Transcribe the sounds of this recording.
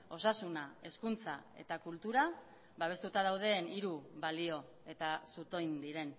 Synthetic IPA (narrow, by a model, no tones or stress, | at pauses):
o̞sasunae̞skunt͡sae̞̰t̪akult̪uɾa | βaβe̞st̪ut̪að̞awð̞e̞ːniɾuβalio̞ | e̞t̪asut̪o̞jnd̪iɾe̞n